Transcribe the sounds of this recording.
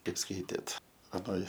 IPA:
ˈkɐɪp ˈskɐɪtʲeːt ɐˈnoːj

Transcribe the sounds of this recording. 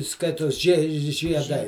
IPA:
ˈskɐɪtoːs ʒʲiɛ ʒʲiɛˈdɐɪ

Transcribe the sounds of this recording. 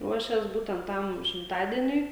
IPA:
ˈruɔʃʲeːs ˈbuːtʲɛnt ˈtɐm ʃʲɪmˈtɑːdʲiɛnʲʊɪ

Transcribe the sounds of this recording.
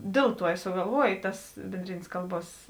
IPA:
ˈdʲeːlˠ ˌtuɔ ɪ sʊɡɐlˠˈʋuɔj ˈtɐs bʲeːnʲˈdʲrʲeːnʲeːs ˈkɐlˠˌbuɔs

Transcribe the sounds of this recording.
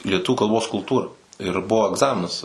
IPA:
lʲiɛˈtʊʋʲuː kɐlˠˈboːs kʊlˠˈtuːrɐ ɪr ˈbʊʋoː ɛɡˈzɑːmʲɪnɐs

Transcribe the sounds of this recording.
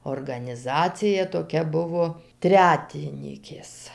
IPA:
oːrɡɐnʲɪˈzɑːt͡sʲɪjɛ toːˈkʲɛ ˈbʊʋoː ˈtʲrʲæːtʲɪnʲiːkʲeːs

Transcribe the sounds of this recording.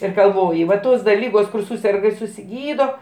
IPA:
ɪr ɡɐlˠˈʋoːjɪ ʋɐ ˈtoːs dɐ ˈlʲiːɡoːs kʊr ˈsuːsʲɛrɡɐ ɪr sʊsʲɪˈɡʲiːdoː

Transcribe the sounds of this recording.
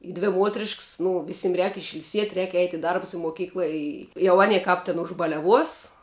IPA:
ɪ ˈdʲʋʲɪ ˈmuɔtʲrʲɪʃks nʊ ˈʋʲɪsʲɪm rʲɛːk ɪʃʲɪlʲˈsʲiɛtʲ rʲɛːk ɛɪtʲ ɪ ˈdɐrbʊs ɪ muɔˈkʲiːklˠɐ ˈɪ jɛʊ ˈɑːnʲiɛ ˈkɑːp tʲɪn ʊʒbɐlʲɛˈʋuɔs

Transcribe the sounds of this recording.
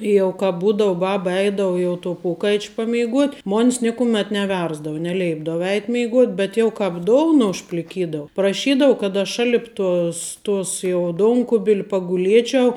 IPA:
ˈjɛʊ kɐ ˈbuːdɐʊ ˈbɑːbɐ ˈɛɪdɐʊ jɛʊ toː ˈpoːkɐɪt͡ʃʲ pɐmʲɛɪˈɡuɔtʲ ˈmoːnʲs ˈnʲeːkʊˌmʲɛt nʲɛˈʋʲɛrzdɐʋʊ nʲɛˈlʲɛɪbdɐʋʊ ˈɛɪtʲ mʲeːɪˈɡoːtʲ bʲɛt jɛʊ ˈkɑːp ˈdoːʊnɐ ʊʃʲpʲlʲɪˈkʲiːdɐʋʊ prɐˈʃʲiːdɐʋʊ kɐt ɐʃ ˈʃɑːlʲɪp ˈtoːs ˈtoːs jɛʊ ˈdoːŋkʊbʲɪlʲ pɐɡʊˈlʲiɛt͡ʃʲɛʊ

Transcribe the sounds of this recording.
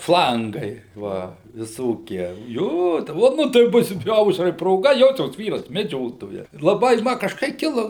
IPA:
ˈflˠɐŋɡɐɪ ˈʋɐ ʋʲɪˈsoːkʲiɛ ˈjoː oː ˈnʊ tɐɪ ˈbʊs ˈɐʊʃrɐɪ proːˈɡɐ ˈjoːsʲoːs ˈʋʲiːrɐs mʲɛˈd͡ʒʲoːtoːjɛs lˠɐˈbɐɪ ˈmɐ kɐʃˈkɐɪ ˈkʲɪlˠoː

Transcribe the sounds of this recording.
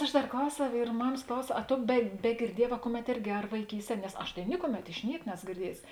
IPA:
ˈɐʃ ˈdɐr ˈklˠɐʊsʲɛʊ ɪr ˈmɑːmɐs ˈklˠɐʊsʲɛʊ ɐ ˈtoː bʲɛ bʲɛɡʲɪrʲˈdʲiɛˌjɛː ʋɐ ˈkʊˌmʲɛt ˈɪrʲɡʲɪ ɐr ʋɐɪˈkʲiːsʲˌtʲiɛ nʲɛs ˈɐʃ tɐɪ ˈnʲɪkʊˌmʲɛt ɪʃ ˈnʲiɛk ˈnʲæːsoː ɡʲɪrʲˈdʲiɛjʊsʲɪ

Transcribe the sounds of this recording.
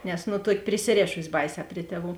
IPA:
nʲɛs ˈnʊ ˈtuɔkʲɪ pʲrʲɪsʲɪˈrʲeːʃʊsʲɪ ˈbɐɪˌsʲɛː ˈpʲrʲɪ tʲiɛˌʋuː

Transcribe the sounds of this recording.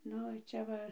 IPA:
ˈnʊ ˈt͡ʃʲɛ ʋɐ

